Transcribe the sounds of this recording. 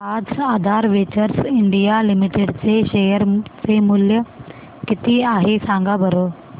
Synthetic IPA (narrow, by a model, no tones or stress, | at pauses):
ad͡zad̪ʱaɾʋet͡ɕəɾsiɳɖijalimiʈeɖt͡seɕejəɾt͡semuljə | kit̪iːaɦesãŋɡabəɾo